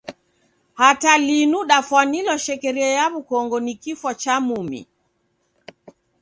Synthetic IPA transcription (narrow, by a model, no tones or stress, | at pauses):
hatalinuɗafwanilɔʃɛkɛɾiɛjaβukɔŋɡɔnikifwat͡ʃamumḭ